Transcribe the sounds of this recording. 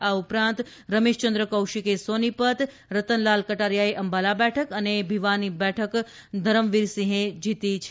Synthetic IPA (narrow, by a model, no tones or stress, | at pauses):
aupɾãnt̪ | ɾəmeʃt͡ʃənd̪ɾəkəwʃikesonipət̪ | ɾət̪ənlalkəʈaɾjaeʔəmbalabɛʈʰəkənebʱiʋanibɛʈʰək | d̪ʱəɾəmʋiɾsĩɦẽd͡ʒit̪it͡ʃʰ